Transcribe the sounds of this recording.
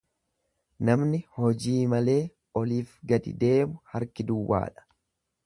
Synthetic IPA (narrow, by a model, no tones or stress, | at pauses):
nɐmnɪhɔd͡ʒiːmɐle̞ː | ɔliːfɡɐd̪ɪ̰d̪e̞ːmʊhɐɾkɪd̪ʊwːa̰ːᶑɐ̥